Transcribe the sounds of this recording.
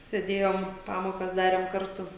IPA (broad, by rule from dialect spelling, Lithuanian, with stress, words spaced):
sʲeːˈdʲeːjoːm ˈpɑːmoːkɐs ˈdɑːrʲeːm ˈkɐrtʊ